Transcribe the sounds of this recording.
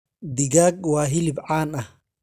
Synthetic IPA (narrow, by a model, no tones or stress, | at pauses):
d̪iɡaːɡ̚waːɦilibʕaːna